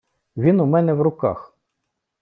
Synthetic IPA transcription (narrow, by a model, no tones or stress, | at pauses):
ʋʲinʊmɛnɛʋɾʊkɑ̰x